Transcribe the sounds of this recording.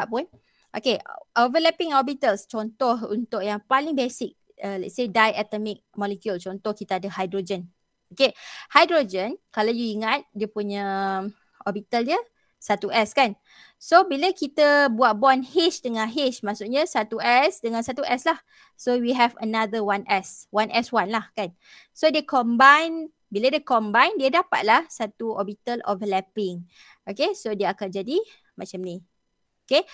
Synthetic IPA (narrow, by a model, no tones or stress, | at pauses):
aʔpʊn | ʔokeʔovəlɛpɪ̃ŋhɔbit̪əlst͡ʃɔnt̪ɔɦṵnt̪ʊʔjaŋpalɪŋbesɪk̚ | əlɛ̰t̪̚sedajɛt̪əmɪk̚mɔlekjult͡ʃɔnt̪ɔhkit̪aadəhajdɾod͡ʒən | okehajdɾod͡ʒənkalawjuiŋat̪̚diəpuɲã | ɔbit̪əldiə | sat̪uʔɛskan | sobiləkit̪əbuaʔ̪̚bɔnhit͡ʃdəŋãnɦɪt͡ʃmaʔsuʔɲãsat̪uʔɛsdəŋãnsat̪uʔɛslah | sowiɦɛvə̰nad̪əwanʔɛswanʔɛswanlahkan | sodəkɔmbajn | bilədiəkɔmbajndiədapa̰t̪̚lahsat̪uɔbit̪əlɔ̰flɛpɪŋ | ʔokesodiəakat̚d͡ʒadi | mat͡ʃamnĩ | oke